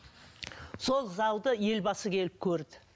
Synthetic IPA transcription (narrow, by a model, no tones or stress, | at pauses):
so̞lˠzɑwd̪əje̞lbɑsəkʲʰe̞lɪp̚kʲʰɵɾd̪ɪ